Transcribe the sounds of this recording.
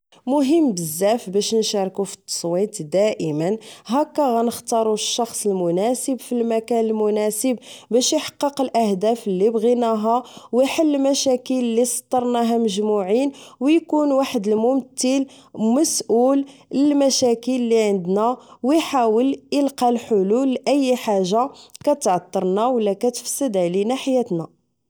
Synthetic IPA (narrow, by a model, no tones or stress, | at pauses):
mʊɦəmːbəzːæfbæʃnʃɑɾˤkufit̪ːsˤwit̪d̪æʔəmənɦækːæɣænəxt̪ɑɾˤuʃːɑxsˤəlmʊnæsəbfilmækænəlmʊnæsəbbæʃjħɑ̥qːəqəlʔæhd̪æfəlːibɣinæɦæwəħəlːmæʃækəlːisˤɑ̥t̪ˤːɑɾˤnæɦæməʒmuʕinwjkunwaħəd̪əlmʊmt̪ːəl | mæsʔuləlmæʃækəlːiʕənd̪næwəjħawələlqɑlħʊlulːʔəjːħaʒːakæt̪ʕɑt̪ˤːɑɾˤnæwəlːækæt̪ə̥fsːəd̪ʕlinaħjæt̪næ